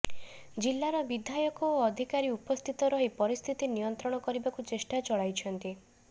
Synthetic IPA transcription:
d͡ʒilːaɾɔbid̪ʱajɔkɔoɔd̪ʱikaɾiupɔst̪ʰit̪ɔɾɔɦipɔɾist̪ʰit̪inijɔnt̪ɾɔɽ̃ɔkɔɾibakut͡ʃesʈat͡ʃɔɭajt͡ʃʰɔnt̪i

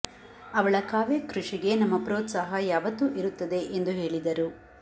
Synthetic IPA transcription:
ɐʋɐɭɐkaːʋekɾuʂiɡe̞nɐmːɐpɾoːt̪saːɦɐjaːʋɐt̪ːuʔiɾut̪ːɐd̪e̞ʔend̪uɦe̞ːɭid̪ɐɾu

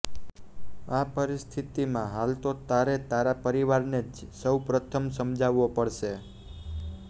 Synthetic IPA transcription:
apəɾist̪ʰit̪imãɦalt̪ot̪aɾet̪aɾapəɾiʋaɾned͡ʒsəwpɾət̪ʰəmsəmd͡ʒʱaʋːopəɽʃe

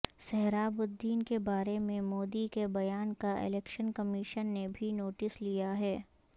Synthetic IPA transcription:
sɛɦɾaːbʊd̪ːiːnkebaːɾemẽmoːd̪ikebɐjaːnkaʔɪ̰lɛːkʃənkɐmiʃənːebʱinoːʈɪslijaɦɛː

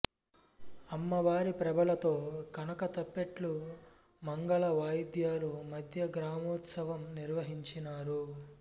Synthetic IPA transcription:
ɐmːɐʋaːɾipɾɐbɐlɐt̪o̞ːkɐnɐkɐt̪ɐpːeʈlu | mɐŋɡɐɭɐʋaːjd̪jaːlumɐd̪ʱjɐɡɾaːmɔːt̪sɐʋɐmniɾʋɐɦiɲt͡ʃinaːɾu

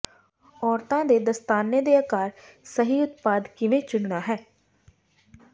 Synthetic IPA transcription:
ɔːɾt̪ãːd̪eːd̪əst̪aːnːed̪eːəkaːɾ | səɦiːʊt̪̚paːd̪kɪʋẽːt͡ʃʊɽɳaːɦɛː

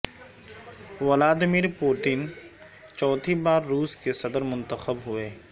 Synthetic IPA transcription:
wɐlaːd̪miːɾpoːʈɪn | t͡ʃɔːt̪ʰibaːɾːuːskesɐd̪əɾmʊ̃nt̪əxəbɦʊeː

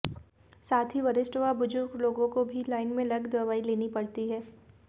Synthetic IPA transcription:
saːt̪ʰɦiʋɐɾɪsʈʋabʊd͡ʒʊɾɡloːɡõkobʱilaːɪnmẽlɐɡd̪ɐʋaːileːnipɐɽt̪iɦɛː

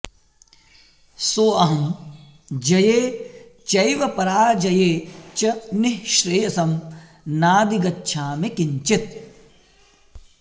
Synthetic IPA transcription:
soːɐɦɐm | d͡ʒɐjeːt͡ʃɐjʋɐpɐɾaːd͡ʒɐjeːt͡ʃɐnɪɦʃɾejɐsɐm | naːd̪iɡɐtːʃʰaːmekiɲt͡ʃɪt̪̚

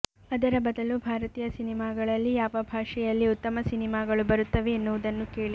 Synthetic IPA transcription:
ɐd̪ɐɾɐbɐd̪ɐlubʱaːɾɐt̪iːjɐsinimaːɡɐɭɐlːijaːʋɐbʱaːʂɛjɐlːiut̪ːɐmɐsinimaːɡɐɭubɐɾut̪ːɐʋe̞ːnːuʋud̪ɐnːukeːɭi

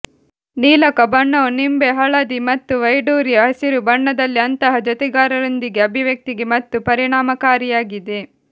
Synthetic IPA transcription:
niːlɐkɐbɐɳːonimbeɦɐɭɐd̪imɐt̪ːuʋɐjɖuːɾijɐɦɐsiɾubɐɳːɐd̪ɐlːiɐnt̪ɐɦɐd͡ʒɐt̪ɛɡaːɾɐɾond̪iɡeɐbʱiʋjɐk̚t̪iɡe̞mɐt̪ːupɐɾiɳaːmɐkaːɾijaːɡid̪e

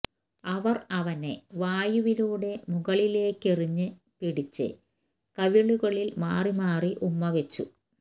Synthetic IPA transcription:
ɐʋɐrɐʋɐne̞ʋaːjuʋiluːɽe̞muɣɐɭile̞ːkːeriɲːɨ | piɽit͡ɕːɨ̰ | kɐʋiɭuɣɐɭilmaːrimaːriʔumːɐʋet͡ɕːu

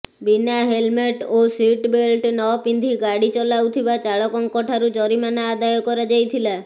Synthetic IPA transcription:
binaɦelmeʈoswiʈbelʈnɔpind̪ʱiɡaɽit͡ʃɔlawt̪ʰibat͡ʃaɭɔkɔŋkɔʈʰaɾud͡ʒɔɾimanaːd̪ajɔkɔɾad͡ʒajt̪ʰila

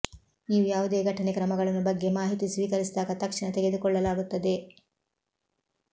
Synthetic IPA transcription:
niːʋujaːʋud̪eːɡʱɐʈɐnekɾɐmɐɡɐɭɐnːubɐɡːe̞maːɦit̪isʋiːkɐɾisid̪aːɡɐt̪ɐkʂɐnɐt̪eɡe̞d̪ukɔɭːɐlaːɡut̪ːɐd̪e̞

